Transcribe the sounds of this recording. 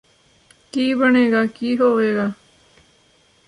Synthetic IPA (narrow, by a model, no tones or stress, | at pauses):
kiːbəneːɡaːkiːɦoːʋeːɡaː